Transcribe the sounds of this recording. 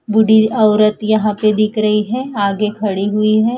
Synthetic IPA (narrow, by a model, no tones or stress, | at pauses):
bʊɽiɔːɾət̪jɐɦãped̪ɪkʰɾɐɦiɦɛːaːɡekʰɐɽiɦʊiɦɛː